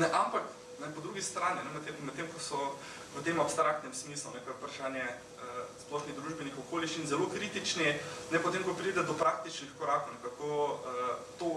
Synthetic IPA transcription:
nɛʔampak | nɛpɔd̪ɾuːɡist̪ɾaːninɛmɛt̪ːemmɛt̪ːeːmkɔsɔ | ət̪eːmɔpst̪ɾak̚t̪nɛmsmiːslunɛkaɾupɾaʃaːnjɛ | əsplɔʃniɣd̪ɾuːʒbɛnixɔkoːliʃt͡ʃinzɛlokɾit̪it͡ʃninɛpɔt̪eːmkɔpɾiːd̪ɛd̪ɔpɾak̚t̪it͡ʃnixkɔɾaːkownɛkakoət̪o

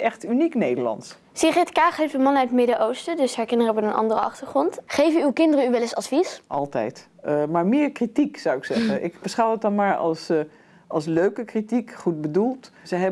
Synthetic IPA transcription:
ɛχtyniknejdəɹlɑ̰ns | siχɛtkaːχɦejftdəmɑnœɥtmɪdəʔowstədɵsɦaɹkɪndərəɔbənənʔɑ̰ndərəʔɑ̰χtəɹχrɔntχejvənywkɪndərəyʋɛlɪsɑtfisʔɑ̰lˠtɛ̰jt | maːɹmɪːɹkritiksɑwɪksɛχənʔɪkb̥əsχɑwət̚dɑnmaːɹɑ̰lˠs | ʔɑlˠsløɥkəkritikχut̚bədulˠtzəɦɛ

